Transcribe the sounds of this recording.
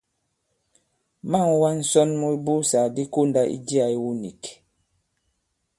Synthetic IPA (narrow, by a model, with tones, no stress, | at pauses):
ma˦˨ŋwa˦n̩˨sɔ˦nmu˦i˦bu˦sa˨di˦ko˦nda˦ʔḭ˦di˦a˨i˦wu˦ni˨k